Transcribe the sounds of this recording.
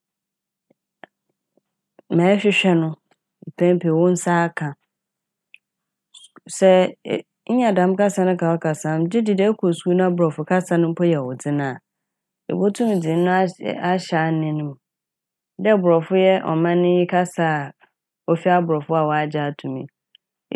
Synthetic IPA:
mɛ̃ː˨˦ɕᶣɪ˦ɕᶣɛ˦nʊ̃˦˨ | pʰɛ̃˦m˦pʰe˨wɔ˦n̩˦saː˦kʰã˨ | sɛ˦ | ɲ̩˦ɲã˨dã˨˦m˦ka˦sa˨nʊ̃˦kʰa˨wa˦kʰa˨sã˨˦m˦dɪ˦dɪ˨dɛ˦kʰo˨su˦u˦nʊ̃˦a˦bʊ˨ɾɔ˨fʊ˦kʰa˦sa˨nʊ̃˦m̩˦pʰɔ˦jɛ˨wɔ˨dɪ˦nã˨ | ḛ˨bo˦tʰũ˦mĩ˨d͡zɪ̃˨n˦nʊ̃˦a˦ɕa˨˦˨nɪ̃˦nʊ̃˦˨m˨ | dɛ˦bʊ˨ɾɔ˨fʊ˦jɛ˦ʔɔ̰˨mã˦nʊ̃˦ji˦kʰa˦sa˨ | ɔ˦fi˦a˦bʊ˨ɾɔ˨fʊ˦a˨wɔ˨a˦d͡ʑa˦˨tʰũ˨mḭ̃˨

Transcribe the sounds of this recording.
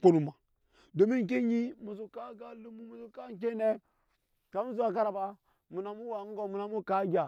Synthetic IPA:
k͡po˦nu˨ma˨ | do˨mi˦ŋ˨k̬e˦ɲi˦mu˨zu˨ka˦ɡa˦lu˦mu˦mu˨zu˦ka˦k̬e˦ne˦ | ka˦mu˦zu˦a˨ka˦ɾa˨ba˦ | mu˨na˨mu˦wa˨˦ŋ̩˦ɡo˦mu˨na˨mu˦ka˦ɡʲa˨

